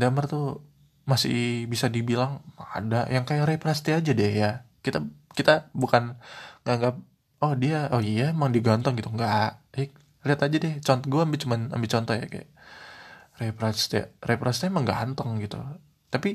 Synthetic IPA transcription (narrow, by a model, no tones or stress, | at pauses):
damərt̪u | masɪ̰hbisadibilaŋa̰dajaŋkajaɾepɾast̪ead͡ʒadɛhjakit̪akit̪abukanŋaŋɡap̚ | ɔhdiaɔhijaemaŋdiɡɔnt̪ɔŋɡit̪uŋɡaʔɛ | liat̪ad͡ʒadɛht͡ʃɔnt̪ɔɡuaːmbɪt͡ʃumana̰mbɪt͡ʃɔnt̪ɔhja̰ka̰ja̰ | repɾast̪ḛrepɾast̪emaŋɡa̰ʔɦant̪əŋɡit̪ṵ | t̪api